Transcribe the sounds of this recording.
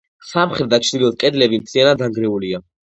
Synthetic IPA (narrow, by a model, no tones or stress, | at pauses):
samχɾɛd̪at͡ʃʰd̪ilɔd̪̚kʼɛd̪lɛbimt̪sianad̪aŋɡɾɛulia